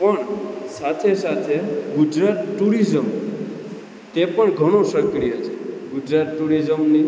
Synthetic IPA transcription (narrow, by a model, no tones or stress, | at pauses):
pəɳsat̪ʰesat̪ʰeɡʊd͡ʒɾat̪ʈuɾizəm | t̪epəɳɡʱəɽ̃õʃəkɾijət͡ʃʰeɡʊd͡ʒɾat̪ʈuɾizəmni